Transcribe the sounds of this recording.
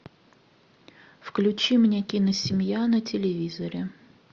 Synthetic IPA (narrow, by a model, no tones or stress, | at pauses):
fklʲʉt͡ɕimnʲekʲinəsʲɪmʲjanətʲɪlʲɪvʲizəɾʲɪ